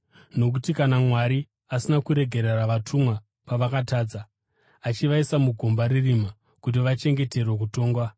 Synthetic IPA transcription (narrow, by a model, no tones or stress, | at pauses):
no̞k̬utikanamwaɾi | asinakuɾe̞ɡʱe̞ɾeraʋatʰumwa | paʋakataːd͡za | at͡ʃiʋaisamuɡʱombaɾirima | kut̬iʋat͡ʃe̞ŋɡe̞te̞rwek̬uto̞ːŋɡwa